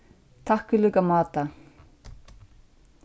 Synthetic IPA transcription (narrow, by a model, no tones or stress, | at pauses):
t̪ʰahkʏlʏkamaːt̪a